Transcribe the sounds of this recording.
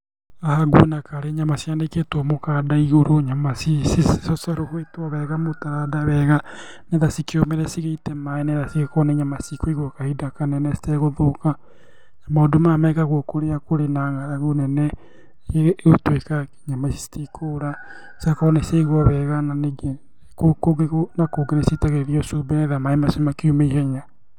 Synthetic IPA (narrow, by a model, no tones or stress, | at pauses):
ahaɡwenakaɾeɲamasiandeketwɔmokadaiɣoɾoɲamasisessɔsaɾohwetwɔβɛɣamotaɾadaβɛɣa | neðasikeomeɾɛsiɣeitɛmaeneðasiɣekɔnɛɲamasikɔiɣwɔkahidakanɛnɛsi̥tɛɣoðoka | namaodomamɛɣaɣokoɾeakoɾenaːɣaɾaɣonɛnɛ | otwekaɲamasi̥si̥tikʰoɾa | sakɔneseɣwɔβɛɣananeɡe | kokoɡeonakoɡenesitaɣeðiɔsobenɛðamaemasemakiumeihɛɲa